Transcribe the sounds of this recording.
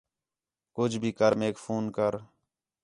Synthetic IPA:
kʊd͡ʒbʱiːkəɾmeːkfʰuːnkəɾ

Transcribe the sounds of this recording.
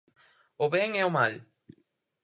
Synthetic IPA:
oβeŋeomal

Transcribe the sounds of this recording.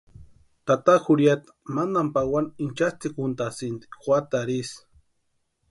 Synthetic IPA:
t̪at̪axuɾjat̪ḁmand̪ampawanint͡ʃast̪ikunt̪asint̪i̥xwat̪aɾis

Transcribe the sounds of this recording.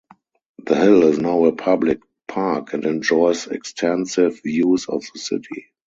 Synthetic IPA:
ðəhɪlɪznaʊəpʰablɪk̚ | pʰakɛ̃ntɛ̃nd͡ʒɔɪsɛ̰kstʰɛ̃nsɪvjuːsɔfðəsɪ̰tʰḭ

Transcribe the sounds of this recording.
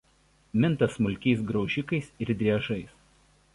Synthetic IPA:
mʲɪnt̪ɐsmʊlʲkʲɛɪsɡɾɒʊʒʲɪkɐɪsɪɾd̪ʲɾʲiɛʒɐɪs

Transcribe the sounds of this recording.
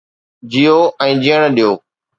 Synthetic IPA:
d͡ʑijoʔɛ̃ːd͡ʑijəɽ̃ɗijoː

